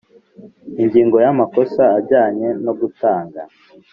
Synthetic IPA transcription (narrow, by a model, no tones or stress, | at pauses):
iɲɟiːŋɡo̞jamako̞saːbɟaːɲe̞no̞ɡutaːŋɡa